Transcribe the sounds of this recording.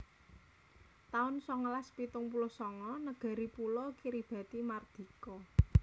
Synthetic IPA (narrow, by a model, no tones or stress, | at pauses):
t̪aʊnsɔŋəlaspit̪ʊŋpulosɔŋɔnəɡ̥a̤ɾipulɔkiɾib̥a̤t̪imard̪̥i̤kɔ